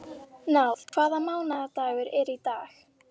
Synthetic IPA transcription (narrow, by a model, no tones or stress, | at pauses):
nawðkʰv̥aːðamawnad̪awɪɾɛɾid̪aːx